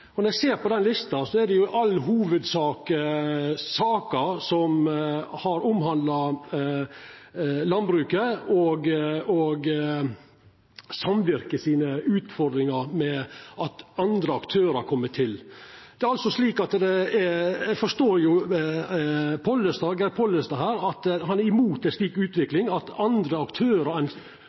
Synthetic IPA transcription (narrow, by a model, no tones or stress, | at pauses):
ɔnɔɾæseːɾpɔd̪ɛnlɪst̪ɑsɔɛd̪ɛjʊʔɑlːɦuːʋəd̪sɑːkəsɑːkəsɔmhɑɾʊmɦɑnd̪lɑ | lɑnbɾʉːkəɔɡɔɡ | sɑmʋɪɾkəsiːnəʉːt̪fɔɾd̪ɾɪŋɑɾmɛʔɑt̪ɑnd̪ɾəɑkt̪ʰøːɾɑkʰɔmːət̪ʰɪld̪ɛæɾɑlsɔʂliːkɑt̪d̪ɛɛæɡfɔʂt̪oːɾjʊ | pʰɔlːəst̪ɑːɡɛɾpʰɔlːəst̪ɑɦæːɾɑt̪hɑnæɾɪmuːt̪ɛsliːkʉːt̪ʋɪklɪŋɑt̪ɑnd̪ɾəɑkt̪ʰøːɾɑɾɛn